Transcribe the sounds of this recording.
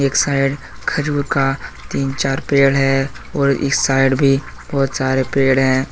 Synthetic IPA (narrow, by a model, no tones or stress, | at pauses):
eːksaːɪɖ | kʰəd͡ʒuːɾkat̪iːnt͡ʃaːɾpeːɽɦɛ | ɔːɾɪ̰ksaːɪɖbʱi | b̥ɔːt̪saːɾepeːɽɦɛ̃ː